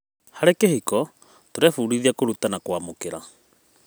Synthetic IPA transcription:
haɾekehikɔ | toɾɛfuːɾiðiakoɾutanakwamokeɾa

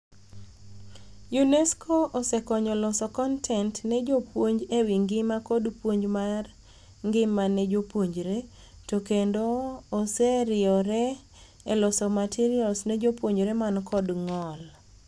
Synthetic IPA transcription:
junɛskoʔːsɛkɔɲɔlɔsɔkɔntʰɛntnɛd͡ʒopwoɲd͡ʒewiŋɡɪmakɔdpwoɲd͡ʒmar | ŋɡɪmːanɛd͡ʒopwoɲd͡ʒɾe | tokendoːsɛɾɪɔɾɛ | elɔsɔmatʰiɾɪɔlsnɛd͡ʒopwoɲd͡ʒɾemankʰɔdŋɔl

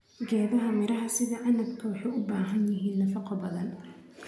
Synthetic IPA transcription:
ɡɛːðɐɦɐmɪɾɐɦɐsɪðɐʕɐnɐɡkʰɐwɑħɑjʊbaːɦɐnjɪɦiːnːɐfɑqɔbɐðɐn

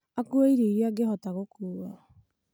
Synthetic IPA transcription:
akuaiɾeɾiaɡeɦɔtaɣokuːwa

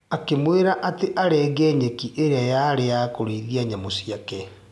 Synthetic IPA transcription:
akemweɾaʔateʔaɾɛɡɛɲekiʔeɾeajaɾeakoɾeiðiaɲamosiakɛ

